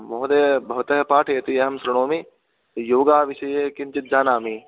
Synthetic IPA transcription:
moɦd̪eːbʱɐʋɐt̪ɐɦɐpaːʈʰɐjɐt̪iɐɦɐmsɾɐɽ̃oːmi | joːɡaːʋiʃɐjeːkiɲt͡ʃit̪̚d͡ʒaːnaːmi

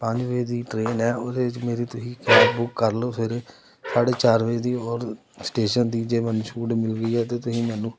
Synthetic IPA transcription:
pə̃ɲd͡ʒʋəiːd̪iːʈɾeːnɛːod̪eːɪt͡ʃmeːɾiːt̪ʊsĩːkɛːpbʊkːəɾloːpʰɪɾ | saːɖeːt͡ʃaːɾʋəid̪iːɔːɾ | sʈeːʃənd̪iːd͡ʒeːmənʃuːɖmɪlɡəiːɛːt̪eːt̪ʊsĩːmɛːnũː

